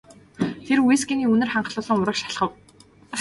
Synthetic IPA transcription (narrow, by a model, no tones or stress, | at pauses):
t̪ʰerwisɡiniːunɘ̆rχaɴɢɮʊːɮə̆ŋʊɾə̆kʃḁɮχə̆w